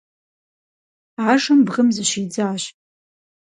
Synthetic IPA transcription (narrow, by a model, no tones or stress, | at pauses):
ʕaʂambʁəmzaʃid͡zaːʃʼ